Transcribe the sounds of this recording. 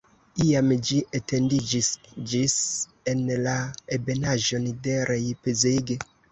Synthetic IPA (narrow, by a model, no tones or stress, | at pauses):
iamd͡ʒiʔete̞ndid͡ʒisd͡ʒis | enlaebe̞naʒo̞ndeɾʔejpezeɡe